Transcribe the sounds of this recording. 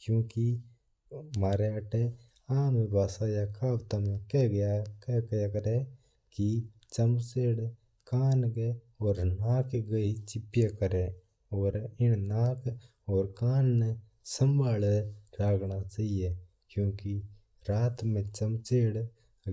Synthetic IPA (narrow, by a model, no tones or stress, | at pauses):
kjõːki | maːɾeɐʈe | aːmebaːsaːjakʰaːbt̪amẽkɛɡɐjakɛkɐjakəɾe | kit͡ʃɐmt͡ʃeːɽ | kaːnɡe | ɔːɾnaːkɡɐit͡ʃɪpjekəɾe | ɔːɾɪnnaːk | ɔːɾkaːnːe | sɐmbʱaːlɾaːɡnat͡ʃaːɦije | kjõːki | ɾaːt̪mẽt͡ʃɐmt͡ʃeːɽ